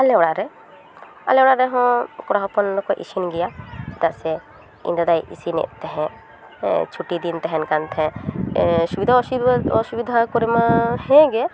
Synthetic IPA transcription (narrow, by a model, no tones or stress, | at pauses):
alɛɽaɾɛ | a̰lewɽaɾɛɦɔ̃kɔɽaɦɔpɔnkɔʔḭʃinɡijat̪aʔsɛ | ḭ̃nd̪əd̪ajʔḭsinɛ̰ʔt̪ɛɦɛ̃ | t͡ʃʰuʈid̪int̪ɛɦɛnkant̪ʰɛ̃ | subid̪ʱaɔsubid̪ʱakɔɾemahɛ̃ɡɛ